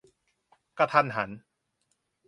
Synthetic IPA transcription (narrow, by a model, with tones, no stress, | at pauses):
ka˧t̪ʰa˧nɦa˩˦n